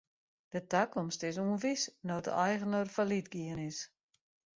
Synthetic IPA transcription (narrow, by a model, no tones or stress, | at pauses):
d̥ətakɔmstɪsuənfisnoːtə̰ɛjɣənorfalitɡiənɪs